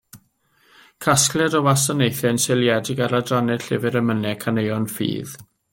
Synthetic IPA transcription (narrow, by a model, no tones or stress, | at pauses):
kʰasklˠɛdɔwasɔnejθɛnsɪljɛdɪɡaɾadranɛɬɪvɪɾəmənɛkʰanejɔnfḭːð